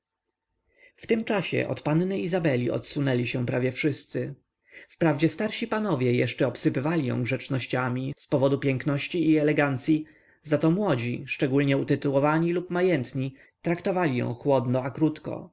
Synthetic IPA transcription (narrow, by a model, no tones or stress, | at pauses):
ft̪ɘmt͡ʂaɕɛ̰ʔɔ̰t̪pannɘizabɛlʲiɔ̰t̪sunɛlʲiɕɛpɾavʲjɛfʂɘst̪sɘ | fpɾavd͡ʑɛst̪aɾɕipanɔvʲjɛjɛʂt͡ʂɛɔpsɘpɘvalʲijɔ̰̃w̃ɡʐɛt͡ʂnɔɕt͡ɕamʲispɔvɔd̪upʲjɛŋknɔɕt͡ɕiːɛlɛɡant̪sʲji | zat̪ɔmwɔd͡ʑḭʂt͡ʂɛɡulɲɛut̪ɘt̪uwɔvaɲilupmajɛnt̪ɲi | t̪ɾakt̪ɔvalʲijɔ̰̃w̃xwɔd̪nɔakɾut̪kɔ̰